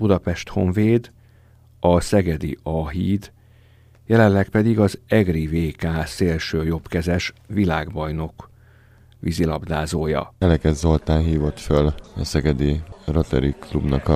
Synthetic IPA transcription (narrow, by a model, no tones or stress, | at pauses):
bud̪ɒpɛʃt̪ho̞ɱveːd̪ | ɒsɛɡɛd̪ḭɒɦiːd̪ | jɛlɛnlɛkpɛd̪iɡɒzɛɡriveːkaːseːlʃøːjo̞pkɛzɛʃʋilaːɡbɒjno̞k | ʋḭzilɒbd̪aːzoːjɒ̰ɛlɛkɛzolt̪aːnɦiːvo̞t̪følɒsɛɡɛd̪irot̪ɛ̰ɾiklubnɒk